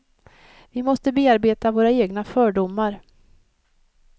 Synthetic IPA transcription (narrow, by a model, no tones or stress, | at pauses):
vɪmɔst̪əbeːaɾbeːt̪avoːɾaeːɡnafœːɖʊmːaɾ